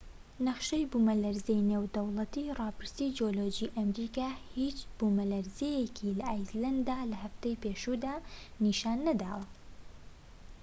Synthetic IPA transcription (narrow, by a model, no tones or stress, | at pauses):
nɐχʃejbumɐlɐɾzejnewd̪ɐwlˠɐt̪irˤɑːpɨɾst̪id͡ʒiolod͡ʒiːʔɐmɾikaːhit͡ʃb̥umɐlɐɾzejekʰilɐʔajzlɐnd̪aːlɐhɐft̪ejpeːʃud̪aːniʃaːnːɐd̪a̰ːwɐ